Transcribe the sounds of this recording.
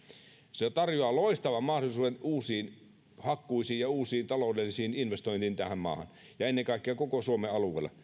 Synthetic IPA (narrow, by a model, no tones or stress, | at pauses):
set̪ɑrjoɑːloist̪ɑʋɑmmɑhdolisuːdenuːsiːn | hɑkːuisiːjjɑuːsiːnt̪ɑloˑudelːisiːninʋest̪oint̪iːnt̪æhæmmɑ̰ːhɑ̰n | jɑenːeŋkɑˑikːˑeɑkokosuomeɑluḛːlːˑɑ̰